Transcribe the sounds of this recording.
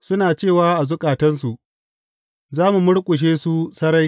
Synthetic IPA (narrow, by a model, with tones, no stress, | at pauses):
sʊ˦naː˨t͡ʃeː˦˨waː˦ʔa˨zʊ˦kʼaː˨tɐ˦ns̬u˨ʔ | zaː˦mu˨mʊ˦ɽkʷʼʊ˨ʃ̬eː˦su˦sɐ˦ɾa˦j